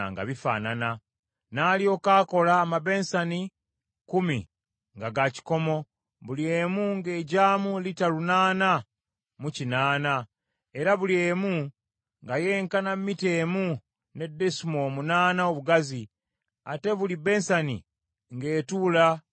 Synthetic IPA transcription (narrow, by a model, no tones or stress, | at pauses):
ŋɡa̰βifa̰ːnana | naːlio̞ːkaːko̞laːmabe̞nsani | kumḭ | ŋɡaɡaci̥ko̞mo̞ | βulie̞ːmuŋɡeːɟaːmulitalunaːna | mucinaːna | e̞ɾaβule̞ːmu | ŋɡaje̞ːŋkanamːite̞ːmu | ne̞dːesimo̞munaːnao̞βuɡazi | a̰te̞βulibe̞nsanḭ | ŋɡe̞ːtula